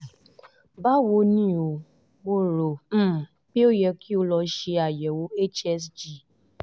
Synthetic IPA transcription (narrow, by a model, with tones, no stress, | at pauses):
ba˦wo˦ni˦o˨ | ɡ͡bo˦ɾo˨m̩˦˨ | pi˦o˦jɛ˧ki˦u˦lɔ˧ʃi˦a˨jɛ˨wo˦e˦t͡ʃɛ˦sd͡ʒi˦˨